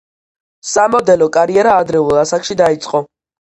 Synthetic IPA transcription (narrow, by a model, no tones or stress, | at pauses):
samɔd̪ɛlɔkʼaɾiɛɾaːd̪ɾɛulˠasakʃid̪ait̪sʼqʼɔ